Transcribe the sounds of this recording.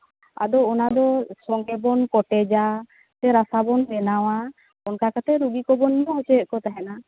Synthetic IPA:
a̰d̪ɔɔnad̪ɔsɔŋɡɛbɔnkɔʈɛd͡ʒa | t̪ɛɾasabɔnɾɛnawa | ɔnkakat̪ɛɾuɡikɔbɔnːɔut͡ʃɛʔ̚kɔt̪aɦɛna

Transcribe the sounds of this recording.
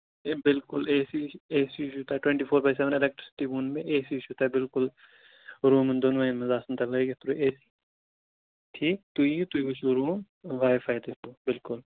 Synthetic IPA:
ebɪlkʊlɛːsieːsiʃut̪aːʈwẽɳʈiːfʰoːɾbaːjs̬ɛʋənɪlɛk̚ʈɾɪsɪ̥ʈibuːnmẽʔeːsiʃut̪aːbɪlkʊl | ɾuːmənd̪onoʋainmɐzaːsɐnt̪ɐlɐeɡet̪ɾoeːsi̥ | ʈʰiːkt̪uĩt̪uikʊt͡ʃʰuɾuːm | ʋaːjfaːjd̪et̪uːbɪlkʊl

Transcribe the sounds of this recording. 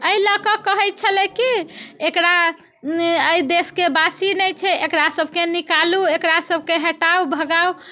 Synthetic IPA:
əiləkəkəɦɛt̪̚t͡ʃʰəlɛkiekɾa | əid̪eskebasinɛjt͡ʃʰɛʔekɾasəbʱkenikaluekɾasəbʱkeɦəʈaubʱəɡau

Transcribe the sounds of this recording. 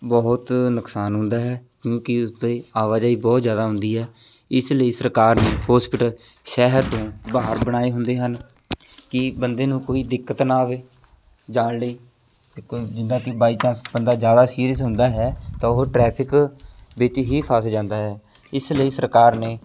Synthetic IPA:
bɔːʊt̪nʊksaːnɦʊ̃nd̪aːɦɛːkjõːkɪʊsd̪eːaːʋaːd͡ʒaːiːbɔːt̪zjaːd̪aːɦʊ̃nd̪iːɦɛː | ɪsləiːsəɾkaːɾneːhɔːspɪʈəlʃɛːɦəɾt̪õːbaːɦəɾbəɽ̃aːeːɦʊnd̪eːɦən | kɪbənd̪eːnũːkoːiːd̪ɪkːət̪naːʋeː | d͡ʒaːɽleː | kːd͡ʒɪnd̪ãːkɪbaːiːt͡ʃãːsbənd̪aːd͡ʒjaːd̪aːsiːɾjəsɦʊ̃nd̪aːɦɛːt̪ãːʊɦʈɾɛːpʰɪkʋɪt͡ʃɦiːpʰaːsd͡ʒãːnd̪aːɦɛː | ɪsləiːsəɾkaːɾneː

